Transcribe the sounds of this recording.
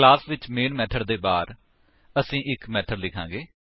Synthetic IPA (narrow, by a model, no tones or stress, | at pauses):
klaːsʋɪt͡ʃmeːnmɛːʈʰəɽd̪eːbaːɾ | əsĩːʔɪkmɛːʈʰəɾlɪkʰã̰ːŋɡeː